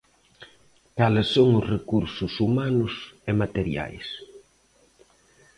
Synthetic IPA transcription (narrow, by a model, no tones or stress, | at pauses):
kalɪsːoŋʊsrekuɾsʊsumanʊsemat̪eɾja̰js